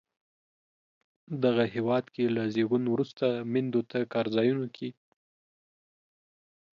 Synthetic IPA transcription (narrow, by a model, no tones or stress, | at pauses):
d̪aɣahewɑd̪kelazeɡunwɾust̪amɪnd̪ot̪akɑɾzɑjunukʰi